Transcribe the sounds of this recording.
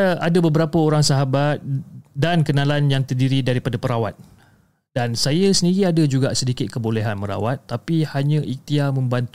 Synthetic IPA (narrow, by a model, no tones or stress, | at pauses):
aadabəbəɾapəoɾaŋsaɦabat̪̚dankənãlanjaŋt̪ərdiɾidaɾipadapəɾawa̰t̪̚ | d̥ansajasəndiɾiadad͡ʒuɡaʔsədikɪt̪̚kəboleɦanməɾa̰wat̪ːapihaɲə̃ʔik̚t̪iamə̃mbant̪